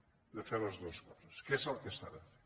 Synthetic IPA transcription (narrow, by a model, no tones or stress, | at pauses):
d̪əfeɾləzðoskɔz̥əskeezalˠkest̪a̰ðəfe